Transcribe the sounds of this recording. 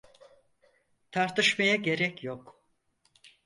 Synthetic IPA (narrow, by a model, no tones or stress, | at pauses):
t̪ʰaɾt̪ʰɯʃmajaɟe̞ɾɛcjok